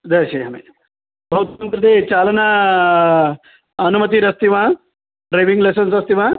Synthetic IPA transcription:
d̪ɐʃeːɦɐmḛ | bʱɐwt̪mɐnt̪ɾɐt̪eːt͡ʃaːlɐna | ɐnumɐt̪iɾɐst̪iʋa | ɖɾɐjʋiŋɡlesɐnsɐst̪iʋaː

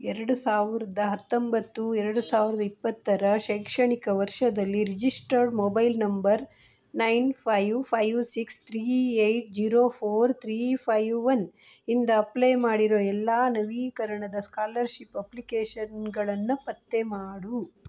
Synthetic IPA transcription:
ɛɾɐɽusaːʋiɾɐd̪ɐɦɐt̪ːombɐt̪ːuɛɾɐɽusaːʋiɾɐd̪ɐipːɐt̪ːɐɾɐʃɐjkʂɐɳikɐʋɐɾʂɐd̪ɐlːiɾid͡ʒisʈɐɾɖmoːbɐjlnɐmbɐɾ | nɐjnpʰɐjʋpʰɐjʋsikst̪ʰɾiːejʈ̚d͡ʒiːɾoːpʰoːɾt̪ʰɾiːpʰɐjʋʋɐn | ind̪ɐːplejmaːɽiɾoːɛlːaːnɐʋiːkɐɾɐɳɐd̪ɐskaːlɐɾʃipːɐplikeːʃɐnɡɐɭɐnːupɐt̪ːemaːɽu

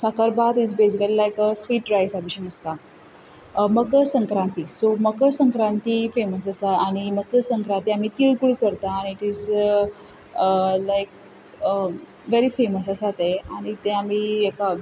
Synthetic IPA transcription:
sakaɾbat̪id͡zbes̬ikəlilajkəsʋiːʈɾajsabiɕənəst̪a | məkəsə̃ŋkɾãnt̪isoməkəsə̃ŋkɾãnt̪ifeməsəsaaɽ̃iməɡəsəŋkɾant̪iam̤iːt̪iɭkuɽikəɾt̪aːñiːʈiz | əlajk̚ | ə | ʋeɾifeməsəsat̪eaɽ̃it̪eam̤ieka

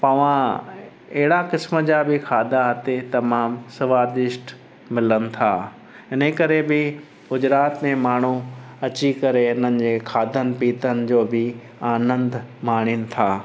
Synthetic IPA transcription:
pɐʋ̤ã | ɐɦɪɽakɪsmə̆d͡ʑaːbɪkʰaːd̪aɦɐt̪et̪ɐmaːmsɪʋaːd̪ɪʃʈ | mɪlənɪ̆t̪ʰaː | ɪnəkɐɾebɪ | ɡʊd͡ʑɾaːt̪mẽmaːɳ̤̃uɐt͡ɕikɐɾeʊn̤ənɪ̆d͡ʑeːkʰaːd̪ʱənɪ̆piːt̪ənɪ̆d͡ʑoːbɪ | aːnə̃nd̪maːɽ̃ɪnɪ̆t̪ʰaː

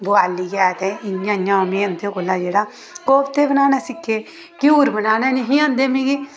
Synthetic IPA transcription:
bʊaːliːɡaːt̪ɛːɪãːjãːmẽːə̃ːnd̪eːkoːlaːd͡ʒeːɽaː | koːbt̪eːbənaːnaːsɪkʰːeː | kɪuːɾbənaːnaːneɦĩːãːnd̪eːmẽːɡiː

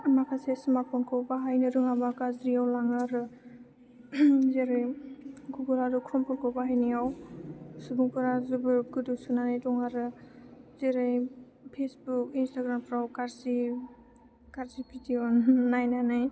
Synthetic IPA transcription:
makʰasesɯmapʰɔnkʰɔwbaɦajnɯɾɯŋabakazɾiawlaŋaɾɯ | zeɾɯjɡuɡɔɾaɾɔkʰɾɔmpʰɔɾkʰɔwbaɦajnijaw | subuŋpɯɾazubɯɾɡɯdɯsunanɯjtɔŋaɾɯzeɾɯj | pʰesbuk̚instaɡɾampʰɾawkaɾsi | kaɾzipʰɾitiɔnːajnanaj

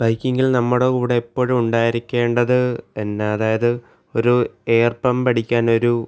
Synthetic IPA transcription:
b̥ɐjkːiŋɡilnɐmːuɽekuːɽeːpːo̞ːɻumuɳɖaːjiɾikʲːe̞ːɳɖɐðɨenːeɐðaːjɐðɨ | o̞ɾueːrpɐmpɐɽikʲːaːno̞ɾu

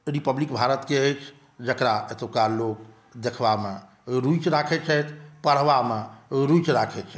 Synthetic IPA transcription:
ɾipəblikbʱaɾət̪keəjt͡ʃʰ | d͡ʒəkɾaet̪okalok | d̪ekʰʋame | ɾujt͡ʃɾakʰɛt͡ʃʰɛjt̪ʰpəɽ̤ʋameɾujt͡ʃɾakʰɛt͡ʃʰɛ

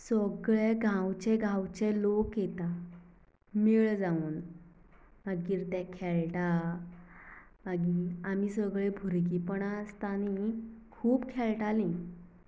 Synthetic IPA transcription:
səɡɭeɡʱãwt͡ɕeɡʱãwt͡ɕelokjet̪a | miɭd͡zauːn | maɡiːɾt̪ɛ̃kʰɛɭʈa | maɡiamisəɡɭebʱuɾkipəɳast̪anikʰuːbkʰɛɭʈalĩ

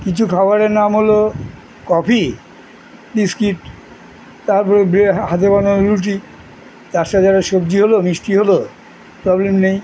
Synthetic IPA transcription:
kit͡ɕʰukʰaoaɾeɾnamɦolo | kɔpʰi | ɖiskiʈ | t̪aɾpɔɾebeɦat̪ekanoɾuʈ̬i | d̪aʃad͡ʑaɾaʃob̚d͡ʑiɦolomɾisʈiɦolo | pɾɔblemnej

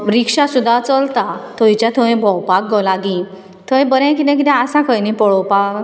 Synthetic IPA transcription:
ɾikʂasud̪ʱːat͡səlt̪at̪ʰojt͡ɕjat̪ʰəẽbʱɔwpak̚ɡɔlaɡĩ | t̪ʰəẽbəɾɛ̃k̬it̪ɛ̃k̬it̪ɛ̃asakʰəjnipɔɭɔwpa

